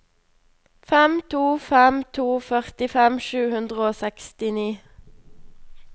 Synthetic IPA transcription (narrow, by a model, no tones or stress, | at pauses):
fɛmt̪ʰuːfɛmt̪ʰuːfœʁt̪ɪfɛmʃʉːhʉnd̪ʁəoːsɛkst̪ɪniː